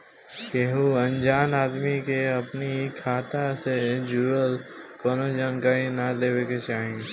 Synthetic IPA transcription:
keɦuə̃nd͡ʒaːnaːd̪mikeɐpnikʰaːt̪ased͡ʒuːɾəl | kɔːnod͡ʒaːnkaːɾinad̪eːweket͡ʃaːɦẽ

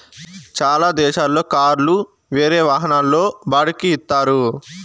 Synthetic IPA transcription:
t͡ʃaːlaːd̪ɛːʃaːlːo̞ːkaːɾlu | ʋeːɾe̞ːʋaːɦɐnaːlːo̞ːbaːɽɐkiit̪ːaːɾu

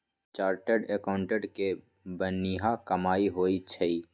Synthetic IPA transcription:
t͡ʃaːɾʈeɖekaʊ̃ɳʈeɖke | bəniɦakɐmaːiɦoːit͡ʃʰəiː

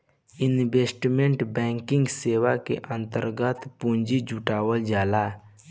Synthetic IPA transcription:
ɪnbeːsʈmẽɳʈbɛ̃ːŋkɪ̃ŋɡseːwakḛʔə̃nt̪əɾɡət̪pũɲd͡ʒid͡ʒuʈaːwəld͡ʒaːla

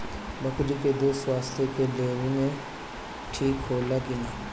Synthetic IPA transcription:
bɐkʰliked̪oːswaːst̪ʰjokeleːɾĩmẽ | ʈʰiːkɦoːlaɡine

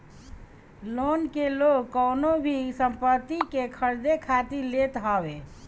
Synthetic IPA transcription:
lonkelokkːəwnobʱisəmpət̪ːikekʰəɾd̪ekʰat̪iɾlet̪ɦɔbe

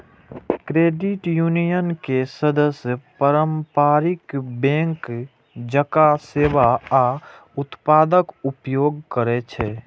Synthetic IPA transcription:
kɾeːɖɪʈjuːnijənkesəd̪əsjəpəɾəmpaːɾɪkbɛ̃ːŋk | d͡ʒəkaseːʋaa | ʊt̪paːd̪əkʊpjoːɡkəɾet͡ʃʰɛː

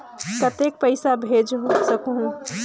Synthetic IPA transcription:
kət̪ek̚pəɪsabʱed͡ʒɦsəkɦũ

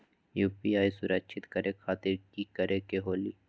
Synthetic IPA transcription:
juːpiːaːisʊɾəkʃʰɪt̪kəɾekʰaːt̪ɪɾkikəɾekeɦoːliː

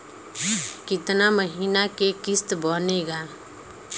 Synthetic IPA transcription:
kɪt̪naməɦiːnakekɪst̪bɔːneɡaː

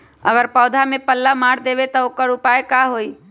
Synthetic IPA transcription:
ə̰ɡəɾpɔːd̪ʱamẽpəlːamaːɽd̪eːʋet̪ɔokəɾʊpaːekaːɦoːiː

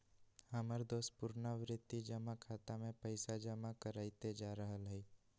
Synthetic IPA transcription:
aməɾd̪oːspʊɾnaʋɾɪt̪id͡ʒəmakʰaːt̪amẽpəɪsad͡ʒəmakəɾaːit̪ed͡ʒaːɾəɦəlɦɛi

